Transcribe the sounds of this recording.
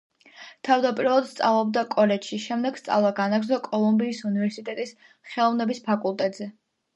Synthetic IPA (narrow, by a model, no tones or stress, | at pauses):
t̪ʰavd̪apʼiɾɔlˠad̪st̪sʼavlˠɔb̚d̪akʼɔlɛt͡ʃʃiʃɛmd̪ɛɡ̥st̪sʼa̰vlˠaɡanaɡɾzɔkʼɔlˠumbiːsunivɛɾsit̪ʼɛt̪ʼis | χɛlˠɔvnɛbispʰakʼulˠt̪ʼɛt̪ʼzɛ